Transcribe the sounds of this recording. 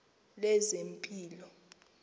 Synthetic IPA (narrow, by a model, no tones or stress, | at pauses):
lɛzempʼiːlɔ